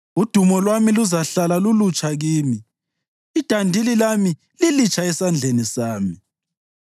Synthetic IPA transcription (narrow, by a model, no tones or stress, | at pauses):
ud̥ʱumɔlwamiluzaɬalalulut͡ʃʼaɣiːmi | id̥ʱandʱililami | lilit͡ʃʰʼaɛsand͡ɮʱenisaːmi